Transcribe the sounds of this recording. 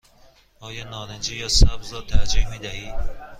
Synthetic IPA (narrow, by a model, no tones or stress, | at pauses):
ɔːjɒːnɒːnend͡ʒijɒːsabzɾɔːt̪ʰæd͡ʒikmid̪æhiː